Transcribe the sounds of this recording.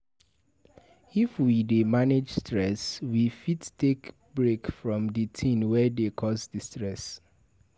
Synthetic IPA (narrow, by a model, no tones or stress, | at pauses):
ifwidemaned͡ʒstɹɛswifittʰːek | bɹekfɹɔ̃mdətʰĩnwɛdekʰɔsdəstɹɛs